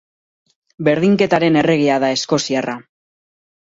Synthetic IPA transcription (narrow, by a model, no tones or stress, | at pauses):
be̞ɾðiŋke̞t̪aɾe̞ne̞re̞ɣ̞iaðae̞sko̞siara